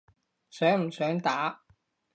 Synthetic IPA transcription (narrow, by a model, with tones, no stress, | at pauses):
sœː˨˥ŋm̩˨˩sœː˨˥ŋt̪aː˨˥